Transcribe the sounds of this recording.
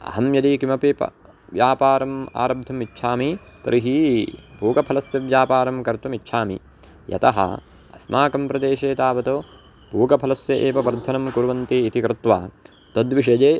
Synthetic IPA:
ɐ̰ɦɐmjɐd̪iːkimɐpipɐ̰ | ʋjaːpaːɾɐma̰ːɾɐb̚d̪ʱɐmitːʃʰaːmi | t̪ɐɾʔiɦipuːkɐpʰɐlɐsjɐʋjaːpaːɾɐmkɐɾt̪umitːʃʰaːmḭ | jɐ̰t̪ɐɦɐ̰ | ɐsmʔaːkɐmpɾɐd̪eːʃeːt̪aːʋɐt̪oː | puːɡɐpʰɐlɐsjɐʔeːʋɐʋɐɾd̪ʱɐnɐmkuɾʋɐnt̪iːt̪ikɾɨt̪ʋaː | t̪ɐd̪ʋiʂɐd͡ʒeː

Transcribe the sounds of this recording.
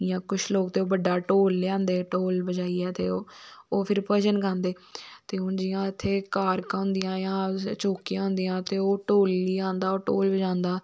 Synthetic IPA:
jãːkʊt͡ʃʰloːkt̪eːoːbəɖːaːʈoːlːãːnd̪eːʈoːlbəd͡ʒaːiːɛːt̪ḛːoːoːpʰɪɾpəʃənɡãːnd̪eː | t̪eːʊnd͡ʒɪjãːɪt̪ʰːeːkaːɾkãːɦʊ̃nd̪ijãːjãːt͡ʃoːkijãːɦʊ̃nd̪ijãːt̪eːoːʈoːlːiːãːnd̪aːoːʈoːlbəd͡ʒãːnd̪aː

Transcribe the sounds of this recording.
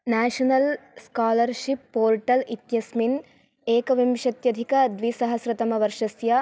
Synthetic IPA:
naːʂɐnɐlskaːlɐɾʃipːoːɾʈɐlit̪jɐsmin | eːkɐʋimʃɐt̪jɐd̪ʱikɐd̪ʋisɐɦɐsɾɐt̪ɐmɐʋɐɾʂɐsjɐ

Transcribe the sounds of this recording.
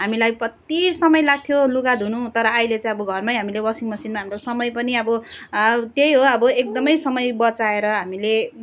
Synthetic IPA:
ɦamilajprʌt̪isʌmʌjlaɡ̚t̪ʰjoluɡad̪ʱunut̪ʌɾʌːjlet͡sãĩʌbʌɡʱʌrmajɦamilebʌsiŋmʌsinmaɦamɾosʌmʌjpʌniʌbʌ | t̪jejɦoʌbʌek̚d̪ʌmʌjsʌmʌjbʌt͡saeɾʌɦamile

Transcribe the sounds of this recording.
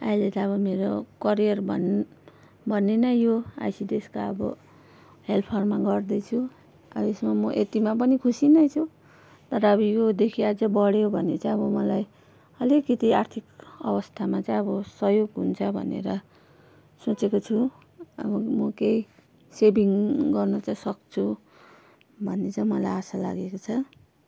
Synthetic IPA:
ailet̪aʌβʌmeɾokʌɾijʌrbʱʌ̰n | bʱʌnːenʌjoa̰jsid̪eskaʌbʌ̰ | ɦelpʰʌrmaɡʌrd̪ʌjt͡sʰu | ʌ̰bʌesmamʌʔet̪imapʌnikʰusinʌjt͡sʰu | t̪ʌɾʌʌβʌjod̪ekʰiad͡zʌbʌɽjobʱʌnet͡saĩʌβʌmʌlaj | ʌlekːit̪iart̪ʰikʌ̰bʌst̪ʰamat͡saj̃ʌbʌsʌjoɡɦunt͡sʰʌbʱʌ̰nḛɾʌ | sot͡sekot͡sʰu | ʌ̰bʌmʌkej | sebiŋɡʌrnʌt͡saj̃sʌk̚t͡sʰu | bʱʌnːet͡saj̃mʌlajasala̰ɡekot͡sʰʌ

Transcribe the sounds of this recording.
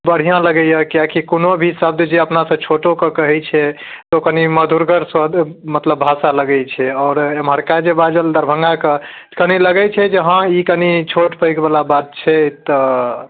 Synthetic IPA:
bəɽ̤ijãləɡɛjəkijakikonobʱisəb̚d̪d͡ʒeəpnasə̃t͡ʃʰoʈokəkəɦɛt͡ʃʰɛ | t̪okəniməd̪ʱuɾɡəɾsəd̪mət̪ləbːʱasaləɡɛt͡ʃʰɛɔːɾemɦəɾkad͡ʒebad͡ʒəld̪əɾbʱə̃ŋɡakəkəniləɡɛt͡ʃʰɛd͡ʒeɦãikənit͡ʃʰoʈpəjɡbalabat̪̚t͡ʃʰɛt̪ɔ

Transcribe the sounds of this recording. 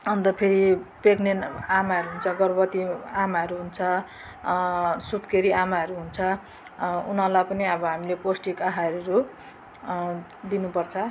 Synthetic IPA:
ʌnt̪ʌpʰeɾipeknenamaɦʌɾuɦunt͡sʰʌɡʌrbʌt̪iamaɦʌɾuɦunt͡sʰʌ | sut̪keɾiamaʌɾuɦunt͡sʰʌ | unʌlapʌniʌbʌɦamileposʈikaɦaʌɾuɾu | d̪inupʌrt͡sʰʌ

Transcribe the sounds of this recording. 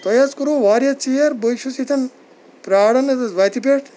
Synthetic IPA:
t̪ɐjɐt͡skuɾuʋaːɾjɐt͡ʃijɐɾbojʃusit̪ʰɐn | pɾaːɽɐnɐʋɐt̪ipeʈʰ

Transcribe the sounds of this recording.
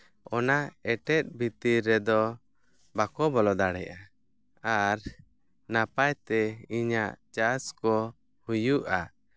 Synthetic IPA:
ɔnaɛʈɛt̪̚ˀbit̪iɾːɛd̪ɔ | bakɔbɔlɔd̪aɽɛ̰ja | aɾ | napajt̪ɛiɲaʔt͡ʃaskɔ | hujuʔa

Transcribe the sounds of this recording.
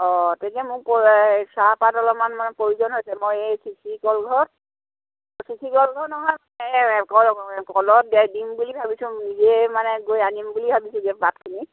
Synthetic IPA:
ɔtɛkɛmʊposapatɔlɔmanmanɛpoɹizɔnɦojsɛmojesikʰikɔlɡʱɔɹt | sikʰikɔlɡʱɔɹnɔɦɔjmanɛkɔkɔlɔt̚ɡɛdimbulibʱabisʊ̃nizemanɛɡojanimbulibʱabisʊ̃ɡɛbat̚kʰini

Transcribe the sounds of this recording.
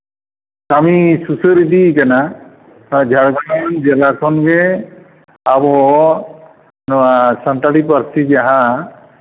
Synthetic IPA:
kamisusɯɾid̪ikana | d͡ʒʱaɽɡanɔnd͡ʒɛlakʰɔnɡɛ | abɔ | nɔasanʈaɽip̬aɾsid͡ʒaɦã

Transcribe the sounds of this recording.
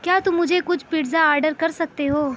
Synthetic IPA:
kjaːt̪ʊmʊd͡ʒʱekʊt͡ʃʰpiːɖzaaːɾɖəɾkɐɾsɐk̚t̪eɦoː

